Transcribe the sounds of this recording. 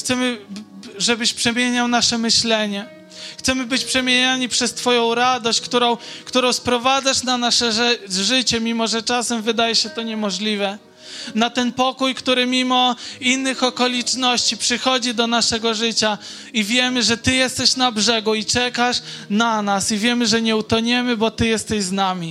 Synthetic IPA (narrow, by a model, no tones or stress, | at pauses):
xt̪sɛmɘ | ʐɛbɘɕpʂɛmʲjeɲawnaʂɛmɘɕlɛɲɛ | xt̪sɛmɘbɘt͡ɕpʂɛmʲjeɲaɲipʂɛst̪fɔjɔ̃w̃ɾad̪ɔɕt͡ɕkt̪uɾɔ̃w̃kt̪uɾɔ̃w̃spɾɔvad̪zaʂnanaʂɛʐɘt͡ɕɛmʲimɔʐɛt͡ʂasɛmvɘd̪ajɛɕɛt̪ɔɲɛmɔʐlʲivɛ | nat̪ɛnpɔkujkt̪uɾɘmʲimɔinːɘxɔkɔlʲit͡ʂnɔɕt͡ɕipʂɘxɔd͡ʑid̪ɔnaʂɛɡɔʐɘt͡ɕa | ivʲjɛmɘʐɛt̪ɘjɛst̪ɛɕnabʐɛɡuit͡ʂɛkaʂnanasivʲjɛmɘʐɛɲɛut̪ɔɲɛmɘbɔt̪ɘjɛst̪ɛʑznamʲi